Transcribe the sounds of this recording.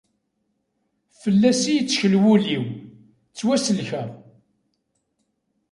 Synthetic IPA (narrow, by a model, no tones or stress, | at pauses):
fəlːæsijt͡sːçəlwuliw | t͡sːwæsəlçæ